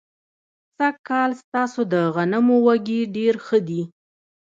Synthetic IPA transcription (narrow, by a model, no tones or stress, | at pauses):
sakːɑlst̪ɑsod̪əɣanamowaɡiɖeɾxəd̪i